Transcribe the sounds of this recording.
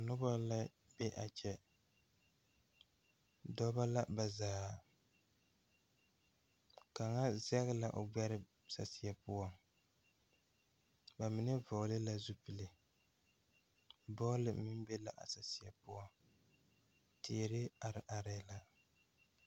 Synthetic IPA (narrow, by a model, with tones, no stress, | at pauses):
a˨nʊ˦ba˦la˦ | bɛ˦ʔa˨t͡ʃɛ˦ | dɔ˦ba˦la˦ba˨zaː˨ | ka˨ŋa˦za˦ɣɪ˦la˨ʔo̰˨ɡ͡bɛ˦ɾɪ˦ | sa̰˨sɪ˨a˨pʊ˦ɔ˨ŋ | ba˨mɪ˨nɨ˦vɔ˨lɨ˦la˦zu˦pɨ˨lɨ˨ | bɔ˦lɨ˨˦mɪ˦m˦bɛ˦la˨ʔa̰˨sa˨si˨a˨pʊ˦ɔ˨ŋ | tʰeː˨ɾɪ˦a˨ɾɪ˨ʔa˨ɾɛ˨˦la˨